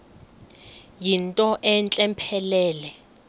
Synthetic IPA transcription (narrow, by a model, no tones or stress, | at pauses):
jintʼɔʔɛnt͡ɬʼɛmpʰɛlɛːlɛ